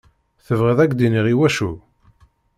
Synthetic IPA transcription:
θəvʁəðæɡd̪iniʁiwæʃu

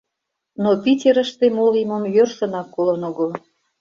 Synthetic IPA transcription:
nopitʲeɾə̆ʃt̪emoliməmjørsə̆nɑkːolənoɣo

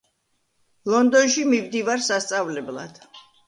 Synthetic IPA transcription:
lˠɔnd̪ɔnʃimimd̪ivaɾsast̪sʼavlɛblˠa̰d̪̥

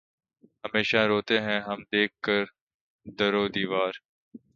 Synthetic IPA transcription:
ɦəmeːʃaɾoːt̪eɦɛ̃ɦəmd̪eːkːəɾ | d̪əɾoːd̪iːʋaːɾ

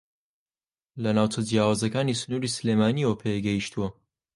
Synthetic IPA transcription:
lɐnaːwt͡ʃɐd͡ʒjaːwaːzɐkaːnisɨnuːɾisɨlemaːniwɐpʰeɡɛjiʃt̪uwɐ

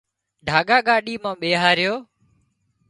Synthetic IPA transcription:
ɖʱaːɠaːɠaːɗiːmãːɓeːɦaːɾɪjoː

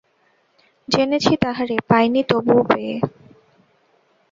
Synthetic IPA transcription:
d͡ʑenet͡ɕʰit̪aɦaɾepajnit̪obupee

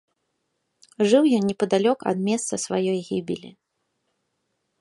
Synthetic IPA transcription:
ʐɨwjɔnnʲɛpɐd̪alʲɔkɐ̰d̪mʲɛst̪sɐsvajɔjɣʲibʲḭlʲḭ

